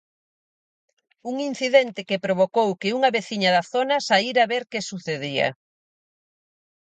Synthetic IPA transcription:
uŋin̟θiðent̪ɪkepɾoβ̞okowkɪuŋɐβeθiɲɐðɐθonɐsaiɾaβeɾkesuθeðiɐ̰

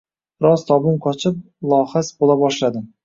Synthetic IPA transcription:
ɾɒzt̪ʰɒbʊmqʰɒt͡ʃʰɪp̚ | lˠɒhasbolˠabɒʃlad̪ɪm

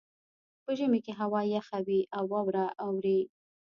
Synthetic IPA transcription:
pəʒəmekeɦawɑjaxawiʔawːɑwɾaʔawɾi

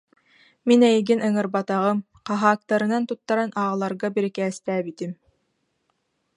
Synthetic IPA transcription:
minɛjɡinɯŋɯɾbat̪aʁɯm | qɑɦaːk̚t̪aɾɯnant̪ut̪ːaɾanʔaːʁlˠaɾɡabiɾikɛːst̪æːbit̪im

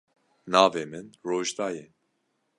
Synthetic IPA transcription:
nɑːveːmɨnroːʒd̪ɑːjɛ

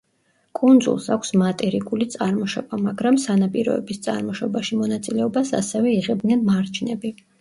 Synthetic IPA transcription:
kʼund̪zṵlˠsakʷʰsmat̪ʼɛɾikʼulit̪sʼaɾmɔʃɔbamaɡɾamsanapʼiɾɔ̰ɛ̰bist̪sʼa̰ɾmɔʃɔbaʃimɔnat̪sʼilɛɔbasa̰sɛvɛiʁɛb̚d̪nɛnmaɾt͡ʃʰnɛbi

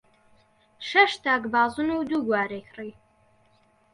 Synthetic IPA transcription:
ʃɐʃt̪ʰaːɡbaːzunuːd̪uɡʷaːɾekʰriː

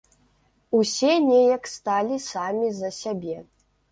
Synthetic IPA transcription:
usʲɛnʲejɐkst̪alʲisamʲizɐsʲabʲɛ

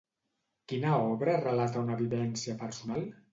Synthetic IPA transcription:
kinəɔβɾərəlat̪əunəβiβɛnsiəpəɾsunalˠ

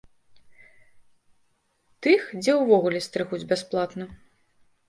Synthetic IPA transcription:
t̪ɨxd͡zʲɛwvɔɣulʲɛst̪ɾɨɣud͡zʲbʲasplˠat̪nɐ

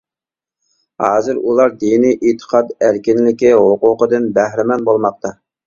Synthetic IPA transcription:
hɑːzɪɾulˠɑɾd̪inijʔit̪ʰːə̥qʰɑd̪æɾkʲinlɪkʲiɦoqʊqəd̪ɨnbæhɾɪmɛnbolˠmɑq̚t̪ʰɑ

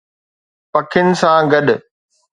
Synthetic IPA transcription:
pɐkʰɪnɪ̆sãːɡɐɗ

